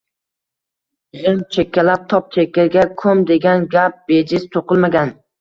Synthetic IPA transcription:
ʁɪmt͡ʃʰekʲʰːalap̚t̪ʰɒp̚t͡ʃʰekʲːaɡʲakʰɵmd̪eɡʲanɡʲap̚b̥ed͡ʒɪst̪ʰoqʰɨlˠmaɡʲan

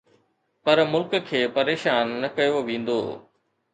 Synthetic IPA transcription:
pɐɾmʊlkkʰeːpɐɾeːʃaːnːɐkɐjoʋẽːn̆d̪o̰ː

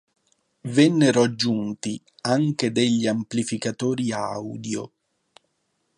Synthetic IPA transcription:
vɛnːeɾoad͡ʒːunt̪i | aŋked̪eʎːiamplifikat̪ɔːɾiawd̪jo

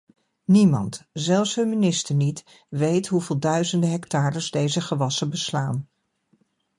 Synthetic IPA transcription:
nimɑ̰ntzɛlˠfsɦɵnminɪstəɹnit | ʋejtɦuveːlˠdœɥzəndəɦɛktaːɾəzdejzəχəʋɑsəbəslaːn

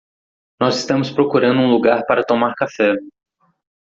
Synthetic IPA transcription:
nɔzɪst̪ɐ̃mʊspɾokuɾɐ̃nd̪ʊũluɡaɾpaɾɐt̪omaɾkafɛ

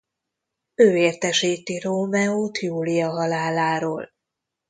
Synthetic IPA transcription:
øːeːrt̪ɛʃiːt̪iroːmɛoːt̪juːlijɒɦɒlaːlaːɾoːl

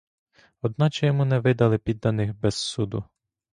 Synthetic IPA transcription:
ɔd̪nɑt͡ʃɛjɔmunɛʋɪd̪ɐlˠɪpʲid̪ːɐnɪxbɛsːud̪ʊ

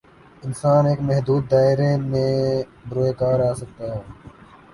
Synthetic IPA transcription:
ɪnsaːneːkmɛɦd̪uːd̪ːaːɪɾeːmẽː | bɾoːeːkaːɾaːsək̚t̪aːɦeː

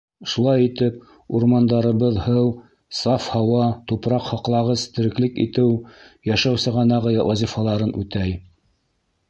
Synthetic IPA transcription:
ʃulˠɑjit̪ɘp̚ | uɾmɑnd̪ɑɾɤ̆βɤðhɤw | sɑfhɑwɑt̪upɾɑqhɑqlˠɑʁɤzt̪ɘ̆ɾɘ̆klɘkḭt̪ɘwjæʃæwsɤʁɑnɑʁɤwʔɑzʲifɑlˠɑɾɤnʉt̪æj

